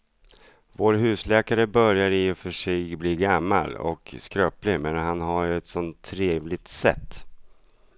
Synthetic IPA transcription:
voːɾɦʉ̟ːslɛːkaɾəbœɾjaɾɪfœʂɛjbliːɡamːa̰lɔ̰kskɾœːplɪmɛnɦanɦajɵɛt̪sɔnt̪ʰːɾeːvlɪɡ̚t̪sɛ̰t̪ː

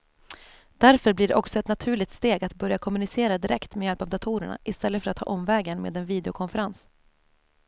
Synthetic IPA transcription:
d̪̥æɾfœɾblɪɖɛ̰ʔɔksɔɛt̪nat̪ʰʉ̟ːɭɪk̚t̪st̪eːɡat̪bœɾjakʰɔmɵnɪseːɾad̪ɪɾɛkt̪mɛjɛlpavd̪at̪ʰuːɾəɳa̰ʔɪst̪ɛlːəfœɾat̪ʰhɑ̰ːʔɔmvɛːɡənmḛːd̪ɛnviːd̪ɛʊkʰɔnfɛɾans

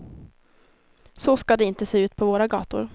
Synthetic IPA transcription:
sɔskad̪ɛɪnt̪əseːʉ̟ːt̪̚pʰɔvoːɾaɡɑ̰ːt̪ʊ̰ɾ

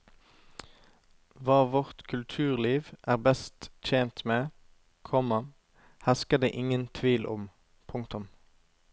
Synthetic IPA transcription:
ʋɑːʋɔʁt̪kʰʉlt̪ʰʉːʁliːʋʔæːʁbɛst̪c͡çeːnt̪meː | kʰɔmə | hɛskəd̪ḛːʔɪŋənt̪ʰʋiːlʔɔ̰m | pʰʊŋkt̪ʊm

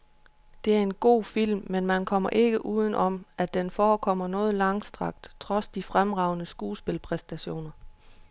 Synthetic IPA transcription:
d̥e̝æɐe̝nɡ̥o̝̰ːfil̰mːenmænkʰɒ̽m̰ɐ̰ʔe̝ɡ̥əʔuːð̞ˠn̩ʔɒ̽mæd̥enfɒːkʰɒ̽m̰ɐnɔ̽ːð̞̩ˠlɑ̈ŋ̰sd̥ʁɑ̈ɡ̥̚d̥t͡sʰʁɒ̽sd̥ifʁamʁɑ̈ʊ̰nəsɡ̥uːsb̥e̝lpʰʁɛsd̥æɕo̝̰ːnɐ

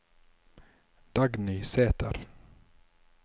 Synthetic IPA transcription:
d̪̥ɑɡniːseːt̪ə̰ɾ

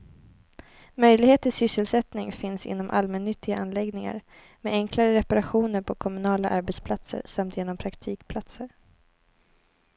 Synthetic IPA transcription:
mœjlɪɡheːt̪ɪsʏsːəlsɛt̪nɪŋfɪnsɪ̰nːɔmʔa̰lmɛnːʏt̪ːɪɡaʔanlɛɡnɪŋa̰ɾ | mɛɛŋkʰlaɾəɾɛpaɾaɧuːnəɾpʰɔkʰɔmɵnɑːlaʔaɾbɛt̪spʰlat̪sə̰ɾsamt̪jeːnɔmpʰɾakt̪ʰiːkpʰlat̪səɾ

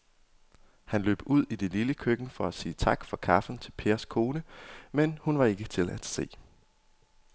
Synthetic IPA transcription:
hænlø̰ːb̥uð̰ˠid̥e̝liləkʰøɡ̥n̩fɒ̽æsiːt͡sʰɑ̈ɡ̥fɒ̽kʰɑ̈fn̩t͡sʰe̝lpʰe̝ːɐskʰo̝ːnəmenhunʋɑ̈e̝ɡ̥ət͡sʰe̝læd̥se̝̰ː

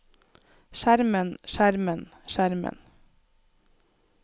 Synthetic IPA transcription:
ʃæɾmənʃæɾmənʃæɾmə̰n

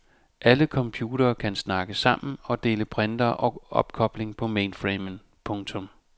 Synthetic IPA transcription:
ʔæləkʰɒ̽mpʰjuːɾ̥ɐːkʰænsnɑ̈ɡ̥əsɑ̈m̰n̩ɒ̽d̥e̝̰ːləpʰʁɛnd̥ɐʔɒ̽ʔɒ̽b̥kʰɒ̽b̥le̝ŋpʰɒ̽meːnfʁimən | pʰɔ̽ŋt͡sʰɔ̽m

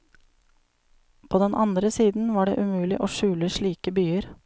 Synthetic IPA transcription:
pʰoːd̪ɛnʔɑnd̪ɾəsiːd̪n̩ʋɑːɖḛːʔʉmʉːlɪʔoːʃʉːləʃɭiːkəbyːəɾ

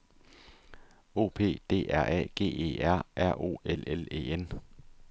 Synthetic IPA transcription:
o̝̰ːpʰe̝̰ːd̥e̝̰ːʔæɐ̰ʔɛ̰ːɡ̥e̝̰ːe̝̰ːæɐ̰ʔæɐ̰ʔo̝̰ːelele̝̰ːen

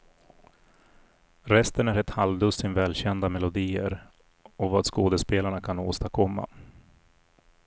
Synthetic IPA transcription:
ɾɛst̪ənæɾɛt̪halvd̪ɵsɪnvɛːlɕɛnd̪amɛlʊd̪iːə̰ɾ | ɔvaːd̪skoːd̪əspeːlaɳakʰanoːst̪aɾkʰɔmːa̰

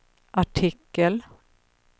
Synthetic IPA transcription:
ʔaʈʰɪkːəl

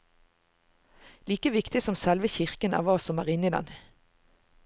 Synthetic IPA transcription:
liːkəʋɪkt̪ɪsɔmsɛlʋəçɪʁkənʔæ̰ːʁʋɑːsɔmæ̰ːʁɪnɪd̪ɛ̰n

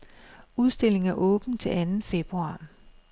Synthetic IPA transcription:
uð̞ˠsd̥e̝l̰e̝ŋæɐʔɔ̽ːb̥n̩t͡sʰe̝lænn̩fe̝b̥ʁuɑ̈ː

